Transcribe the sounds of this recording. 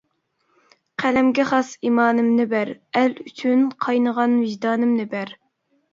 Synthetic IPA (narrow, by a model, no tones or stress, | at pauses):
qʰælɛmɡʲɛχɑsimɑːnɨmnɪbæɾælyt͡ʃʰynqʰɑjnəʁɑnvɪʒd̪ɑːnɨmnɪbæɾ